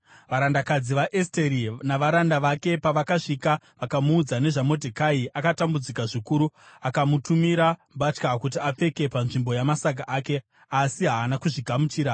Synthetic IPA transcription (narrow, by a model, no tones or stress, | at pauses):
ʋaɾandakad͡ziʋaʔesteɾinaʋaɾandaʋake̞paʋakaʂika | ʋakamuːd͡zane̞ʐamo̞dʱekaiʔakatambud͡zikaʐikuɾuakamutumiɾambat͡ʃkakut̬iap͡fe̞ke̞panʐimbo̞jamasak̬aʔaːke̞ | asiɦaːnakuʐiɡʱamut͡ʃiːɾa